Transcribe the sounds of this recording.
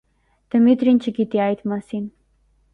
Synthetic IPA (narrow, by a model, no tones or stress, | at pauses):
t̪əmyt̪ɾint͡ɕʰəkit̪iajt̪masin